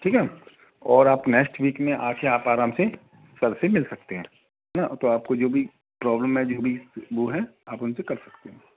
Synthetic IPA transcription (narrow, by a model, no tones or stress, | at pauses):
ʈʰiːkɦɛ | ɔːɾaːpnɛːksʈʋiːkmẽʔaːkʰeaːpaːɾaːmse | sɐɾsemɪlsɐk̚t̪eɦɛ̃ː | ɦɛnat̪oaːpkod͡ʒoːbʱi | pɾɔːbləmɦɛd͡ʒoːbʱiʋoɦɛaːpʊnsekɐɾsɐ̥kt̪eɦɛ̃ː